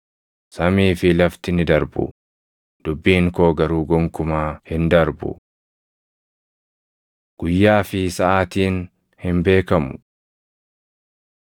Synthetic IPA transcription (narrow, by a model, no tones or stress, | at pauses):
sɐmiːfɪlɐft̪ɪnɪd̪ɐɾbʊ̰ | d̪̥ʊbːiːŋkoːɡɐɾuːɡɔŋkʊmaːhɪnd̪ɐɾbʊ̰ | ɡ̥ʊjːaːfɪsɐʔaːt̪iːn | hɪmbe̞ːkɐmʊ̰